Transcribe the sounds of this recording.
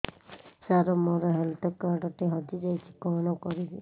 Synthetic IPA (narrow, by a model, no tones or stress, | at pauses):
saɾɔmɔɾɔɦelt̪ʰɔkaɾɖɔʈeɦɔd̪id͡ʒajt͡ʃʰi̥kɔɽ̃ɔkɔɾibi